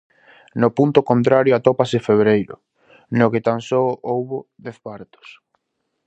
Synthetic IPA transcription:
nopunt̪ʊkont̪ɾaɾjoat̪ɔpasefeβ̞ɾejɾʊ̰ | nokɪt̪ansoʔowβʊðɛθpaɾt̪ʊ̥s

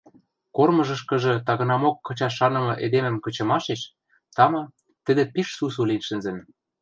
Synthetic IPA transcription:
kormɤ̆ʒɤ̆ʃkɤ̆ʒɤ̆t̪ɑɣɤ̆nɑmokːɤ̆t͡ɕɑɑnɤ̆mɤ̆ʔed̪emɘ̆mkɤ̆t͡ɕɤ̆mɑʃeʃ | t̪ɑmɑ | t̪ɘ̆d̪ĕpiʃsus̬ulinʃɘ̆nzɘ̆n

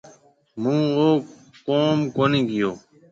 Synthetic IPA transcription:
mũːoː | koːmkoːnĩːɡɪjoː

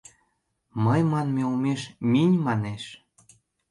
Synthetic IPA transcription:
məjmɑnmeumeʃminʲmɑneʃ

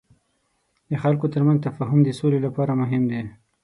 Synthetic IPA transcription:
d̪əxalkot̪əɾmanzt̪afɑɦʊmd̪əsolelapɑɾamʊɦɪmd̪e

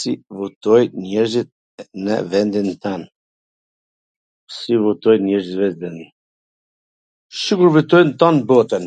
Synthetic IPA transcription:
sivut̪ɔjnɛɾzit̪̚ | nə̰vɛnd̪int̪an | sivut̪ɔjnɛɾzit̪vɛzd̪ɛni | ʃikuɾvit̪ɔjnt̪ɔnbɔt̪ən

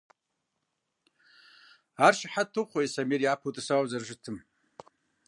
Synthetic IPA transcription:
arʃaħatʰːɨχʰʷaisamirjapʰutʼasawazarʒʷɪtʰɨm

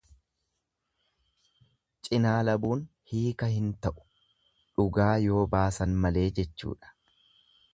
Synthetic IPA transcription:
t͡ʃʼɪnaːlɐbuːn | hiːkɐhɪnt̪ɐʔʊ̥ | ᶑʊɡaːjo̞ːbaːsɐnmɐle̞ːd͡ʒɛt͡ʃːṵːᶑɐ̥

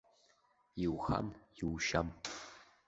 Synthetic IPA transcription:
jɪwxa̰mjɪwʃam

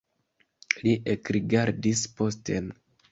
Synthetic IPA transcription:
liʔekɾiɡaɾdispo̞ste̞n

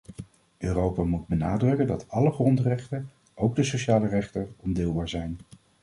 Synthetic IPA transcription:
øːrowpaːmud̚bənaːdrɵkəndɑtɑləχrɔntrɛχtən | ʔowɡ̚dəsoʃaːlərɛχtənɔmdɪːlˠbaːɹzɛjn

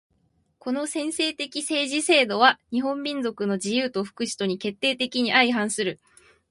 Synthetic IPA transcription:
ko̞no̞sẽ̞ɰ̃se̞ːt̪e̞kʲise̞ːʑise̞ːd̪o̞βaɲ̟iɦõ̞mbʲĩnzo̞kɯ̟no̞d͡ʑijɯːt̪o̞ɸɯ̟̥kɯ̟ɕi̥t̪o̞ɲ̟ike̞t̪ːe̞ːt̪e̞kʲiɲ̟iʔaiɦãɰ̃sɨɾɯ̟

